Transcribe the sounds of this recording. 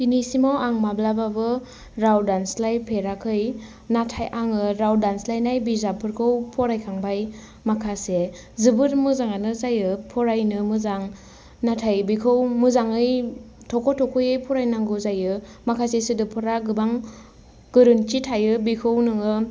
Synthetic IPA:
pinisimawaŋmablababɯ | ɾawdanslajpʰeɾakʰɯj | natʰajʔaŋɯɾawdanslajnajbizapʰɯɾkʰɯwpʰɔɾajkʰaŋbaj | makʰase | zɯbɯɾmɯzaŋanɯzajɯpʰɔɾajnɯmɯzaŋ | natʰajbikʰɯwmɯzaŋɯj | tʰɔkʰɔtʰɔkʰɯjɯjpʰɔɾajnaŋɡɯzajɯmakʰasesidɯpʰɯɾaɡɯbaŋ | ɡ̥ɯɾɯnt͡ʃitʰajɯbikʰɯwnɯŋɯ

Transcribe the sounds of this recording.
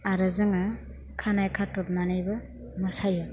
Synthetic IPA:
aɾɯzɯŋa | kʰanajkʰatːɔp̚nanajbɐ | mɯsajɯ

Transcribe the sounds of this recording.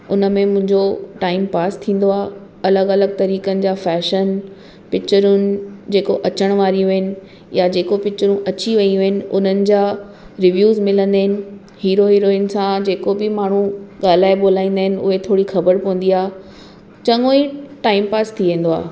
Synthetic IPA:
ʊnəmẽmʊ̃ɦɪ̃ɲd͡ʑoʈaːɪmpaːst̪ʰĩːn̆d̪oaː | ɐləɡɐləɡ̚t̪ɐɾiːkənɪ̆d͡ʑaːfɛːʃən | pɪkt͡ɕəɾʊnɪ̆d͡ʑeːkoʔɐt͡ɕəɽ̃ʋaːɾijũɦɪnɪ̆ | jad͡ʑeːkopɪk̚t͡ɕəɾũʔɐt͡ɕiʋɐijũɦɪnɪ̆ʊn̤ənɪ̆d͡ʑaː | ɾɪʋjuːzmɪlə̃nd̪aːɦɪnɪ̆ | hiːɾoɦiːɾoːɪnsãd͡ʑeːkobɪmaːɳ̤ũɠaːl̤aːeɓoːl̤aːĩːn̆d̪aːɦɪnɪ̆ʊ̰ɦet̪ʰoːɽixɐbəɾpɐʋə̃n̆d̪iaːɦ | t͡ɕɐŋoːiʈaːɪmpaːst̪ʰiʋẽːn̆d̪oa̰ː

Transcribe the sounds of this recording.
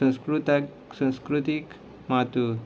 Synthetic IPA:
ə̃skɾut̪a | sə̃skɾut̪ik | mat̪u

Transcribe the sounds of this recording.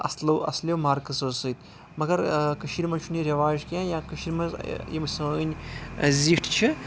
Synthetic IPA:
ɐ̰slɐwʔɐ̰slewmaːɾkɐsosɨt̪ | mɐɡɐɾkɐʃiɾmɐt͡ʃʰuniɾɐʋaːʒkjãːjãːkɐʃiɾmɐzjimɐsɐnʲziʃʈʰt͡ʃʰi

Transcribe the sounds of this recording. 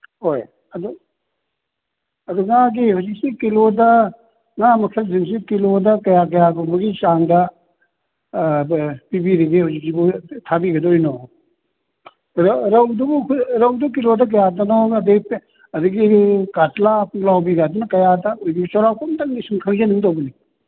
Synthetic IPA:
hoj | ɐd̪u | ɐd̪uŋaɡihɔzik̚sikilodɐ | ŋamɐkʰɐlziŋs̬ikilodɐkɐjak̬ɐjaɡɔbɐɡit͡ʃaŋdɐ | pibiɾiɡihazik̚sibutʰabiɡɐdojnɔ | ɾɾɐwdubukʰɾɐwduk̬ilodɐk̬ɐjadɔnɔɐdiɡip | ɐduɡikatlapulawbiɡad̪unɐkɐjadɐojɡibut͡ʃaɾawpɐmtaŋdisimkʰɐŋzenuŋdobɐni

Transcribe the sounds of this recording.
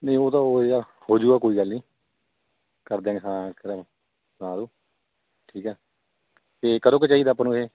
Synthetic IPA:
nə̃ĩːoːt̪ãːoːeaː | hoːd͡ʒuːɡaːkoːiːɡəlnĩː | kəɾd̪ẽːɦãːkəɾə̃ | snãːd̪ũː | ʈʰiːkɛː | t̪eːkəd̪oːket͡ʃaːiːd̪aːpaːnũːɦeː

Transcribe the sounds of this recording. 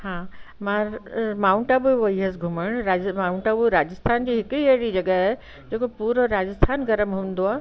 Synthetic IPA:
hãːmãmaːʊ̃ɳʈaːbuʋɐiɦəsɡʱʊməɽ̃ɾaːd͡ʑmaːʊ̃ɳʈaːbuɾaːd͡ʑəst̪ʰaːnd͡ʑiːɦɪkieɦɽid͡ʑɐɡəɦ | d͡ʑeːkopuːɾoɾaːd͡ʑəst̪ʰaːnɡɐɾəmɦũːn̆d̪oaː

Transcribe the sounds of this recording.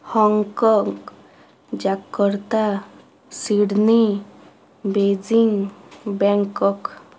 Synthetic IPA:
hɔŋkɔŋɡ | d͡ʒakːɔɾt̪a | siɽni | bed͡ʒiŋbɛŋkɔk

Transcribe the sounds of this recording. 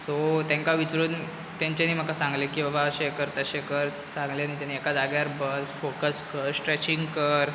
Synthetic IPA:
sot̪jãŋkaʋit͡sɾuːn | t̪ãɲt͡ɕaniːm̤əkasãŋɡlekiːʋəbaəɕekəɾt̪əɕekəɾ | t͡sãŋɡlenĩt͡ɕaniekad̪aɡjaɾbəsfokəskəɾsʈɾeɕiŋɡkəɾ

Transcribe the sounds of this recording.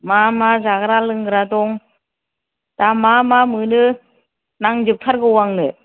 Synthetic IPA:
mamazaɡɾalɯŋɡɯɾadɔŋ | d̥amamamɯnɯ | naŋd͡ʒɯp̚tʰaɾɡɯwaŋnɯ

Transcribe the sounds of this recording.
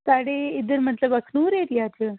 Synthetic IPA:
saɽeid̪əɾmət̪ləbəkʰnuːɾeɾijat͡ʃʰe

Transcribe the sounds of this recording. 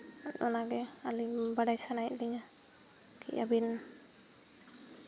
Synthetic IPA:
ɗɔnaɡɛalibaɖajsanajʔdɛɲa | kiʔa̰bin

